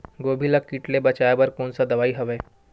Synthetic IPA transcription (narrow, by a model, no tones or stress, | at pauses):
ɡoːbʱilakiʈlebɐt͡ʃajabɐɾkoːnsad̪ɐʋaːiɦɐʋeː